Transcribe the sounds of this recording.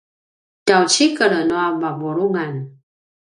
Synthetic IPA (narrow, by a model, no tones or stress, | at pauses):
tawt͡ɕikəɾənoabavuɾuŋan